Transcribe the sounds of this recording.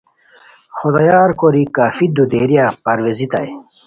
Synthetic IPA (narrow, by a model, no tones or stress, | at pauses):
xod̪aːjaːɾkoɾikaːfid̪ud̪eːɾijapɐɾwezit̪ɐ̰j